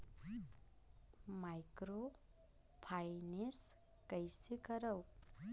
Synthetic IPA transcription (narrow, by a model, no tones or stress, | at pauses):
majkɾo | pʰajnes | kʌjsikʌɾʌw